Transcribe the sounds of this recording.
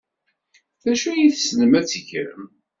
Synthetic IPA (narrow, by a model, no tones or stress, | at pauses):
θæʃujiθsnəmæt͡sːəçɾə̰m